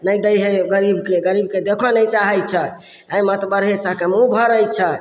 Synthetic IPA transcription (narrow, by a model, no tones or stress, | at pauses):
nəjd̪əjɦeɡəɾibkeɡəɾibked̪ekʰɔnəjt͡ʃaɦɛjt͡ʃʰɛ | aimət̪bəɾɦesəɦkemũbʱəɾəjt͡ʃʰɛ